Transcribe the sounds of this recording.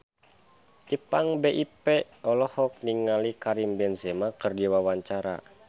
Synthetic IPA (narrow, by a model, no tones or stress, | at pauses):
ʔipaŋbeʔipɛ | ɔlɔhɔk̚niŋalikaɾimbɛnzɛmakɨrdiwawaɲt͡ʃaɾa̰